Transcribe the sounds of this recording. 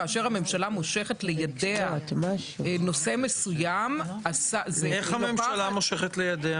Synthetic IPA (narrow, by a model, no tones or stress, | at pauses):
aːʃeʁhame̞mʃalamo̞ʃe̞χetle̞jadeat̪maʃno̞se̞mesujamasazeeχhamemʃalamoʃeχetlejadea